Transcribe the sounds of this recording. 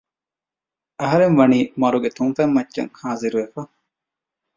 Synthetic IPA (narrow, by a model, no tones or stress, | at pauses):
ɐɦɐɾenʋɐniːmɐɾuɡet̪unfɐmːɐtːʃɐ̰ŋhaːziɾuʋefɐ